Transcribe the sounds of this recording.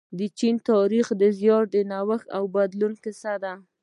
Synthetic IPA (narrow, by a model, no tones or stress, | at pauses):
d̪ət͡ʃint̪ɑɾixd̪əzjɑɾd̪ənawəxawbad̪lunkɪsad̪a